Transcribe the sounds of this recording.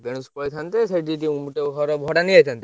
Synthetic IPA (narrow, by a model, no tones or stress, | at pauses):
beɽ̃uspɔjt̪ʰant̪eseʈiʈiumuʈeɦɔɾɔbʱɔɽaniajt̪ʰant̪e